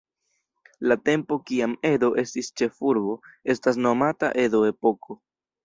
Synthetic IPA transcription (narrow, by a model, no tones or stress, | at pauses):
late̞mpo̞kiame̞do̞ʔe̞stist͡ʃe̞fuɾbo̞e̞stas̬no̞mata̰ʔe̞do̞e̞po̞kʰo̞